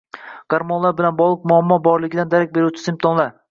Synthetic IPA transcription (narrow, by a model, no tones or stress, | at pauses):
ɡ̥aɾmɒnlˠaɾbɪlanbɒʁlˠɨq̚mʊamːɒbɒɾlˠɪɡʲɪd̪and̪aɾak̚ʲbe̞ɾut͡ʃʰɪ̥sɪmt̪ʰɒnlˠaɾ